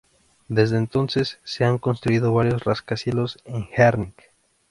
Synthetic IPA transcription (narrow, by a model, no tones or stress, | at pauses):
d̪ezðeːnt̪o̞nsesːeaŋko̞nst̪ɾuiðoβaɾjosraskasjeloseŋxeɾnik